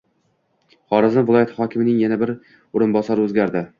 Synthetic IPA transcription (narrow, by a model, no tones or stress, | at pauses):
χɒɾɪzɪnvɪlˠɒjat̪ʰɪ̥hɒkʲʰɪmɪnɪŋjanabɪɾ | ʊɾɪnbɒsɒɾɪɵzɡʲaɾd̪ɪ